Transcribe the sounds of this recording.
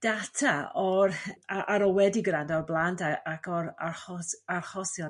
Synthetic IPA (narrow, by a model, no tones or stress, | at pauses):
d̥atʰaɔɾaʔaɾɔwɛdiɡɾandɔrblˠantaakʰɔɾarɔarχɔsjɔ